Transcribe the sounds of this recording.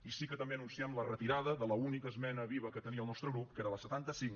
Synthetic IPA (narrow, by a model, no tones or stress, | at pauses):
isikət̪əmbeənunsiɛmlərət̪iɾaðəðələunikəːzmɛnəβiβəkət̪əniəlˠnɔst̪ɾəɣɾup̚keɾələsət̪ant̪əsiŋ